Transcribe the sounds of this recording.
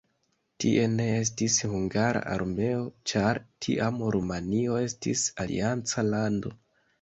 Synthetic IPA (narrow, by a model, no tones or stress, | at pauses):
tḭʔe̞ne̞e̞s̬tishuŋɡaɾa̰ʔa̰ɾme̞o̞t͡ʃaɾtʰḭʔamɾumanio̞e̞stḭsalḭant͡salando̞